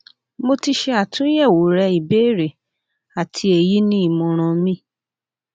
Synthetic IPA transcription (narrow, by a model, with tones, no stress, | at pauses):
mo˧ti˧ʃɛ˧a˨tʰũ˦jɛ˦˨wo˨˦ɾɛ˧i˨be˦˨ɾe˨ | a˨tʰi˧˦e˨ji˦nĩ˦i˦˨mɔ̃˨ɾ̃ɔ̃˧mĩ˦